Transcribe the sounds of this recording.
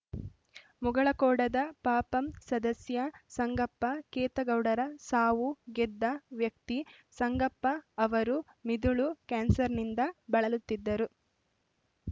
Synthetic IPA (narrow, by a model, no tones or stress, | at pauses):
muɡɐɭɐkɔːɽɐd̪ɐpaːpɐmsɐd̪ɐsjɐsɐŋɡɐpːɐkɛːt̪ɐɡɐwɽɐɾɐsaːʋuɡɛd̪ːɐʋjɐk̚t̪i | sɐŋɡɐpːɐːʋɐɾu | mid̪uɭukaːnsɐɾnind̪ɐbɐɭɐlut̪ːid̪ːɐɾu